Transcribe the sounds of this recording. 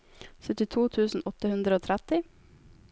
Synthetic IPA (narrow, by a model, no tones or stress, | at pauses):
sœt̪ɪt̪ʰuːt̪ʰʉːsn̩ʔɔt̪əhʉnd̪ɾəoːt̪ʰɾæt̪ɪ